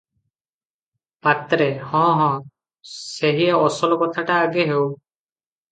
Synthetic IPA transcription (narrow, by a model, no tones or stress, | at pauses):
pat̪ɾehɔ̃ɦɔ̃ | seɦieɔsɔlɔkɔt̪ʰaʈaːɡeɦew